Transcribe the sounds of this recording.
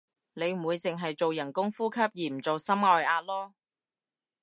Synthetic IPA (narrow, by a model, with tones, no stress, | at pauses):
ne˨˧jm̩˨˩wuː˨˧jt͡sɪ˨ŋɦɐ˨jt͡so˨wjɐ˨˩nkʊ˥ŋfuː˥kʰɐ˥p̚jiː˨m̩˨˩t͡so˨wsɐ˥mŋɔː˨˧jaː˧t̚lɔː˥